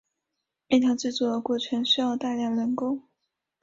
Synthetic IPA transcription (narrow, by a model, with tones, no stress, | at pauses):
a˥˩t̪ʰɑ˧˥ʊt͡swe˥˧ɪt͡swɔ˥˩d̪ə˧˩kwɔ˥˩ʈ͡ʂʰə˧˥nɕ̩˥˧˥ɑ˥˧ʊt̪a˥˧ljɑ˥˩ŋlə˧˥ŋkʊ˥˦ŋ